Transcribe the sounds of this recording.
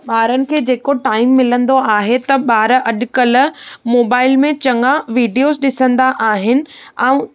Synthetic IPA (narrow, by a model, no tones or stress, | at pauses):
ɓaːɾənɪ̆kʰeːd͡ʑeːkoʈaːɪmːɪlə̃nd̪oaːɦet̪ɐɓaːɾʔɐɗkɐlmoːbaːɪlmẽt͡ɕɐ̃ŋɡaʋiːɖijoːzɗɪsə̃nd̪aʔaːɦɪnɪ̆ɛ̃ũ